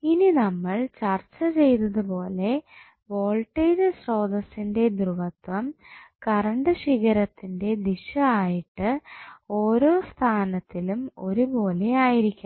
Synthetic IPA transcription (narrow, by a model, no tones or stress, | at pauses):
ininɐmːɐɭt͡ɕɐrt͡ɕːɐt͡ɕe̞jt̪ɐðɨbo̞ːle̞ | ʋo̞ːɭʈːiːd͡ʑɨɕro̞ːd̪ɐsinde̞d̪ruʋɐt̪ʋɐmkɐrɐɳɖɨɕiɣɐɾɐt̪ːinde̞d̪iɕɐaːjiʈːɨo̞ːɾo̞ːst̪ʰaːnɐt̪ːilumo̞ɾubo̞ːle̞aːjiɾikʲːum